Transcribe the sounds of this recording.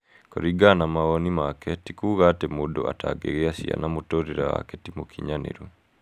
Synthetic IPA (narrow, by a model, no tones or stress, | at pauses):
koɾiɡanamaɣɔnimakɛtikuɣatemodo̰a̰taɡeɣeasia̰namotoɾeɾawa̰kɛtimokʰiɲanḛɾu